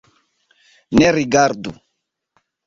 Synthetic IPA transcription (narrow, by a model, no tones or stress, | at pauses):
nɛɾiɡaɾd̪ṵ